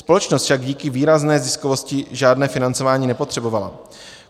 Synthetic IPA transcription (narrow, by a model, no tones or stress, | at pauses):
spo̞lɛt͡ʃnost̪fʃaɡɟiːkɪviːɾaznɛːzɪskovo̞scɪʒaːdnɛːfɪnant͡so̞vaːɲiːnɛpot̪r̥ɛbo̞vala̰